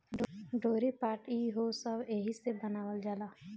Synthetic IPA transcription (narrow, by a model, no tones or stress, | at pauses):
ɖoːɾipaːʈiɦosəbeːɦisebənaːwəld͡ʒaːlaː